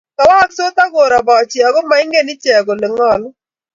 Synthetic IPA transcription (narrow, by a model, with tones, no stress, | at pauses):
ka˨wa˦kso˦ta˦ɡo˨ɾa˨ba˨t͡ʃɪ˨a˨ɡɔ˦ma˦ɪ˦ŋɡe˦nɪ˦t͡ʃɛ˨ɡo˨le˨ŋɔ˦˨l